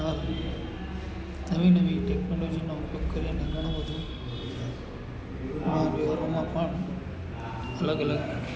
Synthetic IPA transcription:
ã | nəʋĩnɐʋiʈeknolod͡ʒinãʊpjoɡ̚kəɾianɐ̃ɡʱəɽ̃õɦəd̪ũ | ʊnãʋiɦɾõmãpəɳ | ələɡələɡ

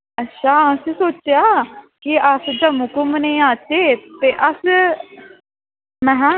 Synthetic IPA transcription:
ətːʃʰaːəsĩːsoːt͡ʃejaːkiəsd͡ʒəmukumnẽːãːt͡ʃeːt̪eːʔəs | mɛ̃ɦãː

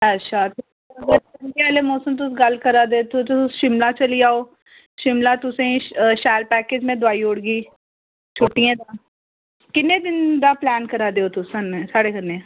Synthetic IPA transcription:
ətːʃʰaːt̪e | əɡəɾənkeaːleːmɔːsəmt̪̬ʊsɡəlkəɾaːd̪et̪ʊt̪ʊʃɪmlaːt͡ʃəliːaːoː | ʃɪmlãːt̪ʊsẽʃaːəɾpɛːkeːd͡ʒmẽːd̪ʊaːiːoɽɡiː | t͡ʃʰʊʈːiãːd̪aː | kɪneːd̪ɪnd̪aːplɛːnkəɾaːd̪eːoːt̪ʊsɦənsaːɽeːkənẽ

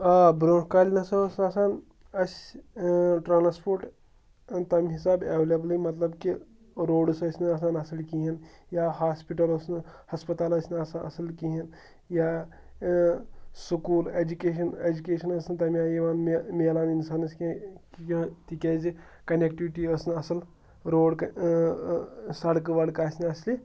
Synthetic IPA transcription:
aːbɾõːnkaːlʲnɐsɐsasaːn | ɐsʲ | ʈɾaːnspoːɾʈ | t̪ɐmiɦisaːbeʋlɐblimɐt̪lɐbki | ɾoːɖsɐsʲnɨɐs̬aːnɐsɐlkiɦinjaːɦaːspiʈɐlosnɨhɐspɐt̪aːlɐsʲnɐsanɐ̰sɐlkiɦɐn | ja | sukuːleːd͡ʒukeːʃɐned͡ʒukʲeːʃɐnɐsnɨt̪ɐmjaːjiʋaːnmmeːlaːninsaːnɐskkt̪ikʲed͡ʒi | kɐnek̚ʈiʋiʈiəsnɨɐsɐl | ɾoːɽk | sɐɽkʋɐɽkaːsʲnɐsli

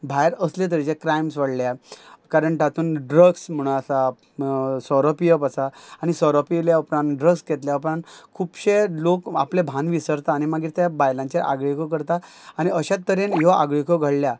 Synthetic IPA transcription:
bʱajɾəslet̪əɾd͡ʑekɾajmsʋəɽljakaɾəɳʈʰat̪uːnɖɾəɡsm̤əɽ̃ũasa | sɔɾɔpijəpasaːñisɔɾɔpiljaəpɾãnɖɾəɡsket̪ljapəɳkʰupɕeloka̰plebʱãnʋisəɾt̪aːnimaɡiɾt̪jabajlãɲt͡ɕeʔa̰ɡɭikok̬əɾt̪a | aɽ̃iəɕat̪ːəɾenɦiaɡɭikoɡʱəɽlja

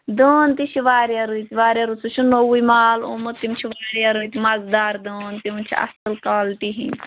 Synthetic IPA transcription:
d̪oːnt̪it͡ʃʰiʋaːɾjɐɾɨt̪iʋaːɾʲjaɾut͡sʰut͡ʃʰunowujmaːlṵmɐt̪ːimt͡ʃʰiʋaːɾjɐɾɨt̪imɐzd̪aːɾd̪oːnt̪imt͡ʃʰḭɐ̰sɨlkaːltiɦḭ̃

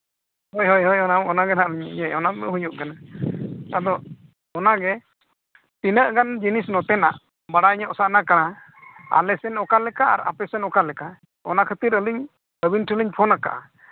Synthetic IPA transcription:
ɦojɦɔjɦɔjɔnaɔnaɡɛnaʔliɲɛɔnaɛɦujuʔkanat̪ad̪ɔʔ | ɔnaɡɛ | t̪inəʔɡand͡ʒinisnɔt̪ɛna̰ʔ | baɽaɲəʔɔsaʔnakana | a̰lɛsɛnɔkalɛkaa̰ɾa̰pɛsɛnɔkalɛka | ɔ̰nakʰət̪iɾəliɲ | əbinʈʰəliɲpʰɔnaka̰ʔa̰

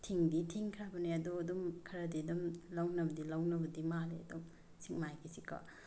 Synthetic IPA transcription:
tʰiŋditʰiŋkʰɾabɐniɐduɐdumkʰɐɾɐdidumlɐwnɐbɐdilɐwnɐbɐdimalḭɐ̰dum | siŋmajkʰisikʰa̰

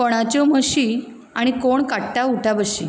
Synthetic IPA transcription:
kəɽ̃at͡ɕɔməɕi | aɽ̃ikoɳkaʈʈ̪auʈʰabəɕi

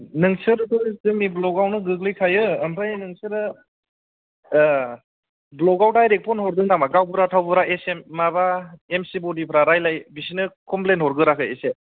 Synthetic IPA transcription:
nɯŋsɯɾɯtɯzɯmiblɔɡawnɯɡɯklɯjkʰajɯːmpʰajnɯŋsɯɾɯ | blɔɡawdajɾek̚pʰɔnɦɔɾdɯŋnaŋmaɡawbɯɾatʰawbɯɾaʔesemːabaemsibɔdipʰɾaɾajlajbisinɯkɔmplentɦɔɾɡɯɾakʰɯese

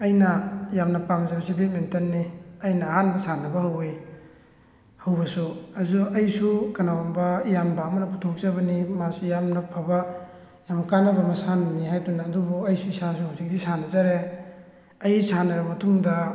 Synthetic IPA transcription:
ɐjnɐjamnɐpamzabɐsibet̚mentɐnːiɐjnɐːhanbɐsanɐbɐhɐwe | hɐwbɐsuɐzuɐjsukanawambɐjambaːmɐnɐputʰok̚zabɐnimasujamnɐpʰabɐ | jamɐkanɐbɐmɐsanɐniɦajtunaːdubuɐjsuisas̬uhawzik̚disanɐzaɾe | ɐjsanɐɾɐmɐtʰuŋdɐ

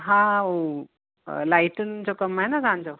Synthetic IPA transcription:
ɦão | laiʈənt͡sɔkəmaɦenad͡zãnt͡sɔ

